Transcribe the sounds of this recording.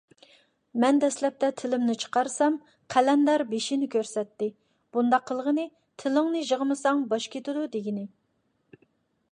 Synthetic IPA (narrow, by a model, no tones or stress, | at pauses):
mɛnd̪ɛslɛp̚t̪ʰɛt̪ʰɪlɪmnɪt͡ʃʰə̥qɑɾsɑm | qʰælɛnd̪ɑɾbeʃinɪkʲʰøɾsɛt̪ːɪ | b̥und̪ɑqʰːəlˠəʁənɨ | t̪ʰɪlɪŋnɨʒəʁəmɨsɑŋbɑʃkʲʰet̪ɪd̪ud̪eɡʲinɪ